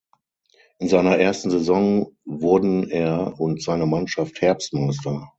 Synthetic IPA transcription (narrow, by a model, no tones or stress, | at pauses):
ʔɪnzaɪnɐʔeːɐstn̩zezɔŋvʊɐdn̩eːɐʊntz̥aɪnəmanʃafthɛɐpstmaɪs̬tɐ